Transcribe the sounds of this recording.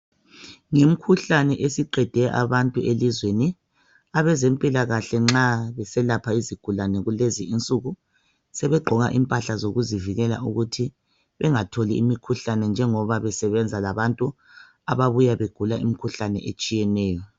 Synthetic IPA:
ŋem̩kʰuɬanɛʔesiǃɛd̥ʱɛʔa̰βantʼuelizweni | aβɛzempʼilaɣaɬɛŋ͡ǁaβɛsɛlapʰaiziɡ̥ʱulanɛɣuleziːnt͡sʼuɣu | sɛβɛɡ͡ǃʱɔɣa̰ʔimpʼaɬazoɣuziviɣɛla̰ʔuɣutʰi | βɛŋatʰoliimikʰuɬanɛnd͡ʒʱɛŋɔβaβɛsɛβɛnd͡zʱalaβantʼu | aβaβujaβeɡ̥ʱulaʔḭm̩kʰuɬanɛ̰ʔet͡ʃʼijɛnɛːjɔ

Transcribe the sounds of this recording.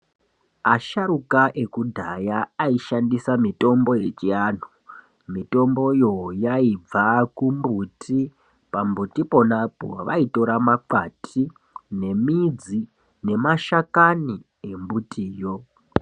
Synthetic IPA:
aʃaɾukaʔe̞kudʱajaːiʃandisamito̞mbo̞je̞t͡ʃian̤u | mito̞mbo̞jo̞jaib͡vakumbutʰi | pambutipo̞napo̞̰ʋa̰ito̞ɾamaǃatʰi | ne̞mid͡zi | ne̞maʃakani | e̞mbutʰiːjo̞

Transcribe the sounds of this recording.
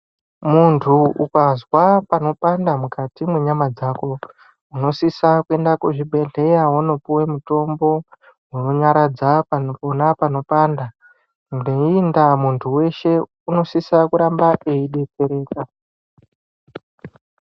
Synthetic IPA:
muntʰuʔukazwapano̞pandamukatimeɲamad͡zaːko̞ | uno̞sisakue̞ndakuʐibʱe̞ɮe̞jawono̞puwemuto̞mbo̞ | wunoɲaɾad͡zapanopo̞napano̞paːnda | uneindamuntʰuwe̞ʃe̞ | uno̞sisakuɾambaʔeiɗe̞t͡se̞ɾe̞ːka

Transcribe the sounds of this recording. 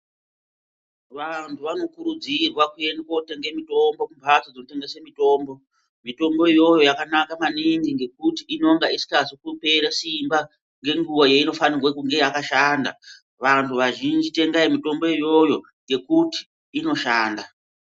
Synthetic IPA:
ʋantʰuʋano̞kuɾud͡zirwakue̞ndekoteŋɡemito̞mbo̞kumpat͡sod͡zinote̞ŋɡesemito̞ːmbo̞ | mito̞mbo̞ijo̞jo̞jakanakamaniŋɡiŋɡe̞kutiːno̞ŋɡaisi̥kasikupe̞ɾasimba | ŋɡe̞ŋɡuwojeino̞fanirwakuŋɡe̞jakaʃaːnda̰ | ʋantʰuʋaʒind͡ʒite̞ŋɡaimito̞mbo̞ijo̞jo̞ | ŋɡe̞kuti̥ː | no̞ʃaːnda

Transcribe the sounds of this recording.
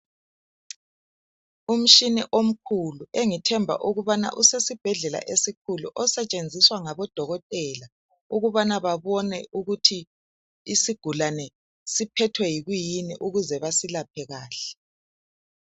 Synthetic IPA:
um̩ʃiniʔom̩kʰulueŋitʰɛmbʱa̰ʔuɣuβana̰ʔusesib̥ʱɛɮɛla̰ʔesik̚ʰuluʔɔsɛt͡ʃʼend͡zʱiswaŋaβɔd̥ʱɔɣɔtʼɛːla | uɣuβanaβaβɔnɛuɣutʰi | isiɡ̥ʱulanɛ | sipʰɛtʰwɛjiɣujiniʔuɣuzɛβasilapʰɛɣaːɬɛ̥

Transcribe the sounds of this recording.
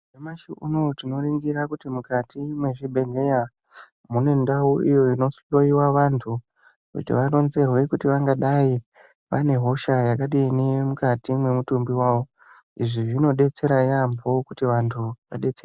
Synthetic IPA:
emaʃiuno̞tino̞ɾiŋɡiɾakutimukatimwe̞ʐibʱe̞ŋɡeja | mune̞ndauijo̞ino̞slo̞iwaʋantʰu | kṵtḭʋaɾo̞nze̞rwe̞kutiʋaŋɡaɗai | ʋane̞ɦo̞ʃajakaɗiːnemukatimwe̞mutumbiwaːʋo̞ | iʐiʐino̞ɗe̞t͡se̞ɾajambo̞kutiʋantʰuʋa̰ɗe̞t͡ser

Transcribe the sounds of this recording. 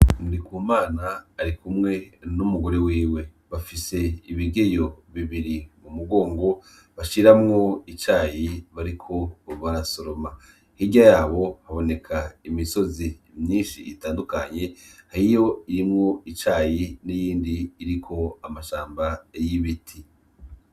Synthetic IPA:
nudikuːmaːnaːɾikumŋe̞numuɡo̞ɾewiːwe̞ | βafise̞iβiɡe̞jo̞βiβiɾimumuɡo̞ːŋɡo̞ | βaʃiɾamŋo̞it͡ʃaːjiβaɾikʰo̞βaɾasoɾo̞ma | hiɟajaːβo̞haβo̞ne̞kʰaimiso̞zimɲiːnʃḭitaːndukaɲe̞haɾijo̞iɾimŋo̞it͡ʃaːjinijiːndiːɾikʰo̞amaʃaːmbajiβitʰi

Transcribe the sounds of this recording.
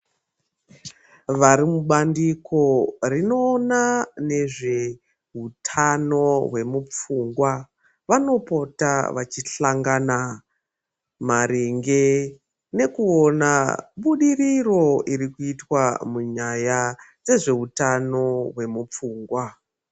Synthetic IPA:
ʋaɾimuɓandiko̞rino̞ːnane̞ʐe̞ | ɦutʰano̞ɦwe̞mup͡fuːŋɡwa | ʋano̞po̞ta̰ʋat͡ʃiɬaŋɡana | maɾiŋɡe | ne̞kuonaɓuɗiriro̞iɾikuitwamuɲajad͡ze̞ʐe̞ɦutano̞ɦwe̞mup͡fuːŋɡwa

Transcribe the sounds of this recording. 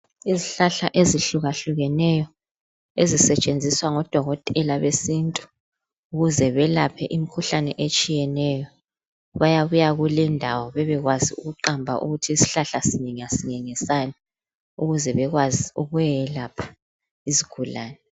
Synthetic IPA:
iziɬaɬaʔeziɬuɣaɬuɣɛnɛjɔ | ezisɛt͡ʃʼend͡zʱiswaŋɔd̥ʱɔɣɔtʼɛlaβesintʼu̥ | uɣuzɛβɛlapʰɛʔimikʰuɬanɛʔet͡ʃʼijɛnɛjɔ | βajaβujaɣulɛndʱawɔβɛβɛɣwaziuɣuǃambʱa̰ʔṵɣutʰiːsi̥ɬaɬasiɲɛŋasiŋɛŋɛsani | uɣuzɛβɛɣwaziuɣuɛlapʰḁ | iziɡ̥ʰʱulaːnɛ

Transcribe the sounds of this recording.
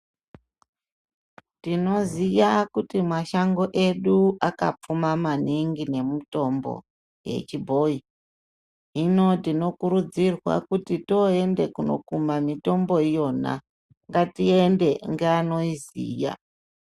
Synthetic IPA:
tino̞zijakutimaʃaŋɡo̞ʔe̞ɗuakap͡fumamaniŋɡine̞muto̞mbo̞̰ | je̞̰t͡ʃibʱo̞i | ɦino̞tino̞kuɾud͡zirwa̰kutito̞e̞nde̞kuno̞̰kumamito̞mbo̞ijo̞na̰ | ŋɡatie̞nde̞ŋɡeano̞izḭːja̰

